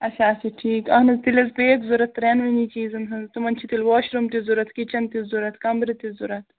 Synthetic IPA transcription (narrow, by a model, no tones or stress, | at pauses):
ɐt͡ʃʰaːsɐʈʰiːkɐːɦnɐzt̪ilɐzpeːkzuɾɐt̪ːɾenʋinit͡ʃiːzɐnɦɐnt̪umɐnt͡ʃʰit̪ilʋoːʃɾumt̪izuɾɐt̪kit͡ʃɐnt̪izuɾɐt̪kɐmbɾit̪izuɾɐt̪ʰ